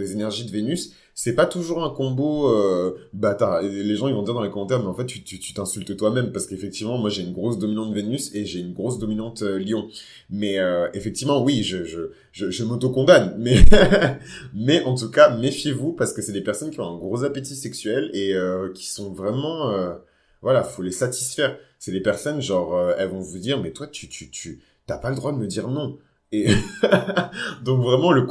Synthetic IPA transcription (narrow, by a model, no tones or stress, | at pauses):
d̪ezenɛʁʒid̪əvenysː | ɛpat̪uʒuʁɛ̃kɔ̃boøbat̪aleʒɑ̃ivɔ̃d̪iʁd̪ɑ̃lekɔmɑ̃t̪ɛʁmɛɑ̃fɛt̪ːyt̪yt̪y̥t̪ɛ̃sylt̪t̪wamɛmpaʁsə̥kefɛk̚t̪ivmɑ̃mwaʒeynɡʁosd̪ɔminɑ̃t̪d̪əvenyseʒeynɡʁosd̪ɔminɑ̃t̪øljɔ̃ | mɛøefɛk̚t̪ivmɑ̃wiʒəʒə | ʒəʒəmot̪okɔ̃d̪anmɛ | mɛʔɑ̃t̪̬ukamefjevupaʁsə̥kəsɛlepɛʁsɔnkʲiɔ̃ɛ̃ɡʁozapet̪isɛksɥɛleøkʲʰi̥sɔ̃vʁɛmɑ̃ø | vwalaifolesat̪i̥sfɛːʁsɛlepɛʁsɔnʒɑ̃ʁøɛlvɔ̃vud̪iʁmɛt̪wat̪yt̪ʰyt̪ʰy | t̪yapaləd̪ʁwad̪əməd̪iʁnɔ̃ | e | d̪ɔ̃kvʁɛmɑ̃lək